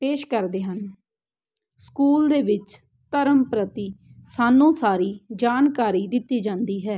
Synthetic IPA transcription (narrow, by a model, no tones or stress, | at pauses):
peːʃkəɾd̪eːɦən | skuːld̪eːʋɪt͡ʃ | t̪əɾəmpɾət̪iːsaːnːũːsaːɾiːd͡ʒaːnkaːɾiːd̪ɪt̪ːiːd͡ʒãːnd̪iːɦɛː